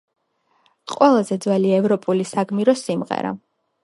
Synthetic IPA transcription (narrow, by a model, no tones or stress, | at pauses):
qʼwɛlˠazɛd̪zwɛliaɛvɾɔpʼulisaɡmiɾɔsimʁɛ̰ɾa̰